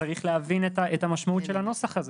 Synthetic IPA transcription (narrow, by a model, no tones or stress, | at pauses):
aʁiχleavinetaʔetamaʃmaut̪ʃelano̞saχaz